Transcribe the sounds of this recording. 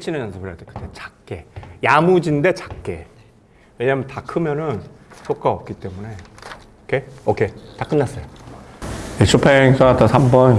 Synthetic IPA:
t͡ɕʰinɯnʌnsʰɯbʰɯɾadekɯ̥t͈et͡ɕḁk̚k͈e̞jamud͡ʑinde̞t͡ɕḁk̚k͈e̞̰ | we̞ɲaːmjʌntakʰɯmjʌnɯnsʰok͈aʌp̚k͈it͈e̞mune̞ | kʰeʌkʰe̞tak͈ɯnːas͈ʌjo | jet͡ɕʰopʰeŋs͈ʰʌat͈asʰambʌn

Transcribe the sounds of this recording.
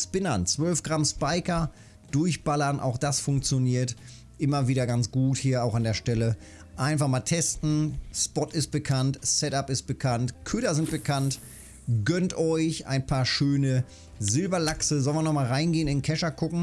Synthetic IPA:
spɪnɐnt͡sv̥œlfɡ̥ʁamspaɪkɐ | d̥ʊɐçb̥alɐnʔa̰ʊxd̥asfʊŋkt͡sjoniːɐt | ʔɪmɐviːdɐɡant͡sɡ̥uːthiːɐaʊxandeːɐʃtɛlə | ʔaɪnfaχmaːltʰɛstn̩spɔtɪst̚b̥əkʰantsɛtapɪst̚b̥əkʰantkʰʏtɐzɪnt̚b̥əkʰant | ɡœntʔɔʏçʔa̰ɪnpʰaːɐʃøːnə | zɪlbɐlaksəzɔlənvɪɐnɔχmaːlʁaɪnɡeːənɪnkʰɛʃɐkʰʊkŋ̩

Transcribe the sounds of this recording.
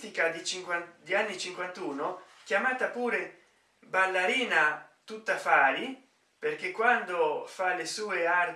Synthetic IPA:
t̪ikad̪it͡ʃiŋkwand̪ianːit͡ʃiŋkwant̪uːno | k̟jamaːt̪apuːɾe | balːaɾiːnat̪ut̪ːafaːɾi | perk̟ekːwand̪ofalːesuːear

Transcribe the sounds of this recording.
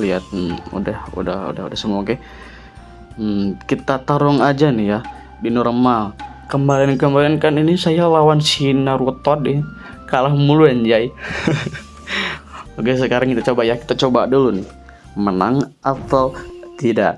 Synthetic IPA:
liat̪̚ṵdahṵdahṵda̰hudahsəmuakɛ | kit̪at̪aɾɔŋad͡ʒanɪja | dinɔɾmal | kəmbaliankəmbalankaninisajalawansinaɾuɔt̪ɔdɪ | kalahmuluand͡ʒai | oɡas̬əkaɾaŋkit̪at͡ʃobajahki̥t̪at͡ʃobadulunɪ | mənaŋʔafalt̪idaʔ

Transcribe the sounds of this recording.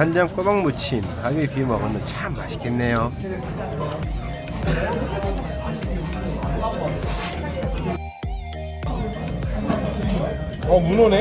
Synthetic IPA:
and͡ʑamk͈obaŋmut͡ɕʰinhaɡepimʌɡʌnɯt͡ɕʰamːaɕʰi̥ɡenːejo | ʌmunone

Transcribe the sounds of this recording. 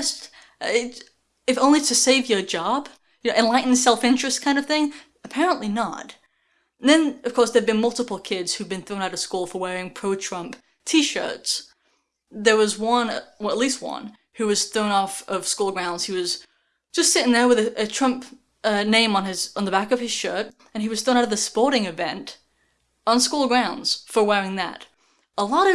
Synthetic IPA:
st | ɪ | ɨfõʊ̃nlitɨseɪvjə˞d͡ʒɑb̥ | jɨnoʊʔɨ̃nlaɪʔn̩ðɨsɛlˠfɪ̃nt͡ʃɹ̥ɨst̚kʰãɪ̃ndʌv̥θɪ̃ŋ | ɨpʰɛɹə̃nʔlinə̰t | ðɨ̃nʌv̥kʰɔɹsðə˞d̚bɨ̃nmʌlˠtəpl̩ˠkʰɪdz̥hʉdbɨ̃nθɹõʊ̃naʊɾɨtskulˠfə˞wɛɹɪ̃ŋpʰɹ̥oʊtʰɹ̥ʌ̃mp | tʰiʃɜ̰˞ts | ðə˞wʌzwʌ̃nwɛətˡlist̚wʌ̰̃n | hʉwʌz̥θɹõʊ̃nɔfʌv̥skulˠɡɹãʊ̃ndz̥hiwʌz̥ | d͡ʒ̥ʌstsɪɾɪ̃ŋðə˞wɨðɨʔɨtʰɹ̥ʌ̃mp | nẽɪ̃mə̃nɪzn̩ðəbækʌv̥ɨz̥ʃɜ˞ɾ | ɨ̃niwʌz̥θɹõʊ̃naʊɾʌvðɨspɔɹɾɪ̃ŋɨvɛ̰̃nt | n̩skulˠɡɹãʊ̃ndz̥fə˞wɛɹɪ̃ŋðɨ̰ɾ | əlɔɾʌ

